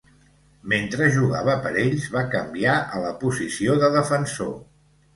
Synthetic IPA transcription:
ment̪ɾəʒuɣa̰βəpəɾeʎzβakəmbiaʔələpuzisioðəðəfənso

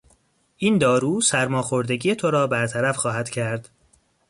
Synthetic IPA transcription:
ʔiːnd̪ɒːɾuːsæɾmɒːxo̞ɾd̪e̞ɟijet̪ʰoɾɒːbæɾt̪ʰæɾæfxɒːɦæd̪̥cʰæɾd̪̥

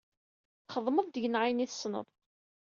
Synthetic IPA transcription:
χəðˤməðˤd̪əʝənʕaniθə̥snə̰ðˤ

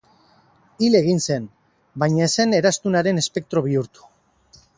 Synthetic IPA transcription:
ile̞ɣinse̞n | bajɲaese̞ne̞ɾast̪unaɾe̞ne̞spe̞k̚t̪ɾo̞β̞iuɾt̪u̥

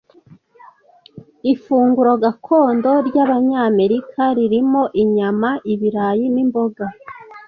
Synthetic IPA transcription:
ifuːŋɡuɾo̞ɡakʰo̞ːndo̞ɾɟaβaɲaːme̞ɾikʰaɾiɾimo̞ʔiɲamaʔiβiɾaːjinimbo̞ɡa

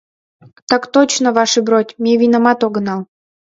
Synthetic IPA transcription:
t̪ɑkt̪ot͡ɕnəvɑʃɨbɾotʲmʲevʲinamɑt̪oɡnɑl

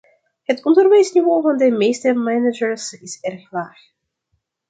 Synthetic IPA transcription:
hətkɔntɔrvɛjsnivoːvɑndəmejstəmænəd͡ʒəɹsɪsɛrxlaːx

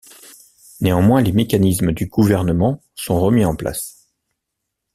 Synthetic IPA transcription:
neɑ̃mwɛ̃lemekanisməd̪yɡuvɛʁnəmɑ̃ | sɔ̃ʁəmiɑ̃pla̰s

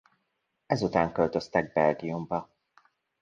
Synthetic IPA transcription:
ɛzut̪aːŋkø̞lt̪ø̞st̪ɛɡ̚bɛlɡijumbɒ

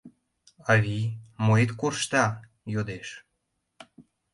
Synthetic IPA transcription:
ɑβimoet̪kurʃt̪ɑ | jod̪eʃ

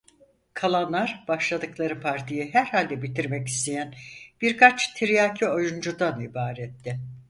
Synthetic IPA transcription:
kʰalˠanlˠaɾb̥aʃlˠad̪ɯklˠaɾɯpʰaɾt̪ʰijiɦæɾhalʲd̪ɛbit̪ʰiɾmɛci̥st̪ʰe̞jænb̥iɾkʰat͡ʃt̪ʰiɾijaːcʰio̞jund͡ʒud̪anibaːɾɛt̪ʰːɪ

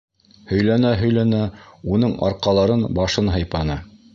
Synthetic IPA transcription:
hɵ̆jlænæɦɵ̆jlænæunɤɴɑ̰ɾqɑlˠɑɾɤnbɑʃɤnɦɤ̆jpɑnɤ

